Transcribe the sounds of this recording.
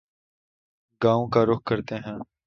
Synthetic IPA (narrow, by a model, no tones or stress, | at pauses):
ɡãːõːkaːɾʊk̚kəɾt̪eːɦɛ̃ː